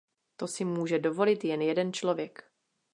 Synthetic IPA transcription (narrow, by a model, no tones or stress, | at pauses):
t̪o̞sɪmuːʒɛdo̞vo̞lɪt̪jɛnjɛdɛnt͡ʃlovjɛk